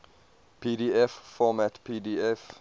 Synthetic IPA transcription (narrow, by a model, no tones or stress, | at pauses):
pʰiːdiɛffɔmætpʰiːdiɛf